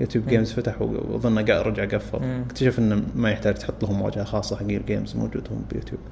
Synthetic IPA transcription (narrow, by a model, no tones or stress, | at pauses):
jṵːt̪juːbɡeːmzfat̪aħwðˤɨnːaɡaːʔɾˤɑd͡ʒʕaɡafːɑ̰ɾˤɪkt̪aʃafʔɪnːmajɪħt̪aːd͡ʒt̪ħʊt̪ˤːlʊhʊmwa̰ːd͡ʒhaxɑːsˤːɑħaɡiːɾɡeːmzmo̰wd͡ʒṵːd̪hʊmbɪjṵːt̪jṵːb